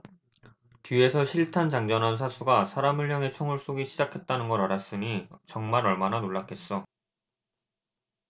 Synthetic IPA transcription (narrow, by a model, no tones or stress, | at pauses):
tie̞sʰʌɕʰiɭtʰand͡ʑaŋd͡ʑʌnans̬ʰasʰuɡasʰaɾamɯɭɦjaŋe̞t͡ɕʰoŋuɭs͈oɡiɕʰid͡ʑakʰe̞t̚t͈anɯnɡʌɾaɾas͈ɯɲit͡ɕʌŋmaɾʌɭmananoɭːakʰe̞s͈ʌ